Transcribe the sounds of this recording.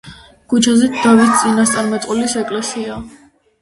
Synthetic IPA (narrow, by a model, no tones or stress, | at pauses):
ɡ̥ut͡ʃʰazɛt̪d̪̥avist̪sʼinast̪sʼaɾmɛt̪ʼqʼulisɛkʼlɛsia